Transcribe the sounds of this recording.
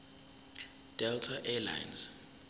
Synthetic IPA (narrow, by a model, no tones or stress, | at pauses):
d̥ɛltʰaʔɛla̰jnz̥